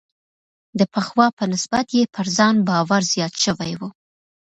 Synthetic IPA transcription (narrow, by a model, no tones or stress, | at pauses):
d̪əpəxwɑpənɪsbat̪jepʰəɾzɑnbɑwaɾz̥jɑt̪ʃəwajwu